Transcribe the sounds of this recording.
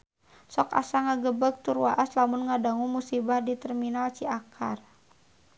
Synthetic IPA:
sɔka̰saŋaɡəbəɡ̚t̪urwaʔaslamunŋadaŋumusibahdit̪ɛrminalt͡ʃiakʰa̰r

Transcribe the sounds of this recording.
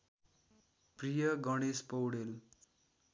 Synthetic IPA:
prijʌɡʌɽ̃espʌwɽel

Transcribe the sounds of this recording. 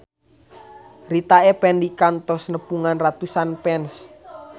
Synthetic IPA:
rit̪aepɛndikant̪ɔsnəpuŋanrat̪usanpɛns

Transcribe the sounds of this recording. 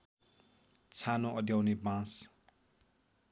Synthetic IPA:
t͡sʰanoʔʌd̪jawnebãs

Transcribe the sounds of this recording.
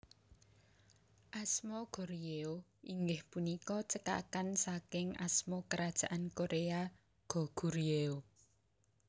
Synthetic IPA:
ʔasmɔɡ̥o̤ɾieoiŋɡɪhpunikɔt͡ʃəka̰kansakɪŋa̰smɔkəɾad̥ʒ̥a̤ʔankoɾea | ɡ̥ɔ̤ɡ̥uɾieo

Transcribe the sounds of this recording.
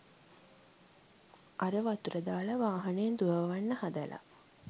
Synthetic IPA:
ʔaɾəʋat̪uɾəd̪aːləʋaːɦɐneend̪uʋəʋʋanːəhad̪ɐlʔa̰

